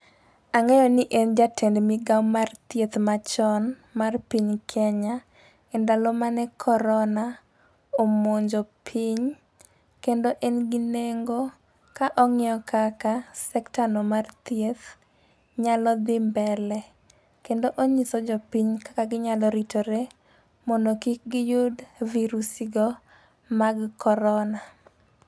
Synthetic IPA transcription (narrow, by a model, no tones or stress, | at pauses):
aŋɛjɔnɪʔend͡ʒatʰɛndmɪɡawmart̪jet̪mat͡ʃɔn | marpiɲkʰɛɲa | ɛndalɔmanɛkʰɔɾɔna | omoɲd͡ʒɔpʰiɲ | kendoʔɛnɡɪneŋɡo | kaʔɔŋɪɔkʰakasɛktanomart̪iet̪ | ɲalɔd̪ɪmbɛlɛ | kendoʔoɲisɔd͡ʒɔpiɲkḁkaɡɪɲalɔɾitoɾe | mɔndokik̚ɡɪjʊdviɾusiɡɔ | maɡkɔɾɔna